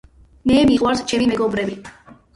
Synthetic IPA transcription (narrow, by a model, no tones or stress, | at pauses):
mɛːmiʁʼwaɾst͡ʃʰɛmimɛɡɔbɾɛbi